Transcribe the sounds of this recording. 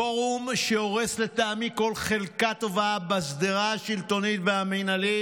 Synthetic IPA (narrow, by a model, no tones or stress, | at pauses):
oʁumʃeo̞ʁesle̞t̪aamiko̞lχe̞lkat̪o̞vabasd̪iʁaʃilt̪o̞nit̪veamenali